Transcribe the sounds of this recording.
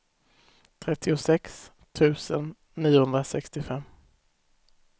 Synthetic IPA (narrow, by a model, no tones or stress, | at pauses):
t̪ʰɾɛt̪ʰːɪʊsɛks | t̪ʰʉ̟ːsənː | iːʊhɵnd̪ɾasɛkst̪ɪfɛmː